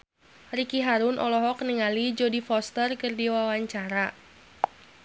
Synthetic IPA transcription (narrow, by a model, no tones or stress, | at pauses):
rikiɦaɾunʔɔlɔɦɔk̚niŋalid͡ʒodifɔst̪ərkɨrdiwawaɲt͡ʃaɾa